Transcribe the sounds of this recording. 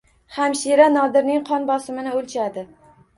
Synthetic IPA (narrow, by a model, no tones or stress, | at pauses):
hamʃiɾanɒd̪ɪɾnɪŋqʰɒnbɒsɪmɪnɪolˠt͡ʃʰad̪ɪ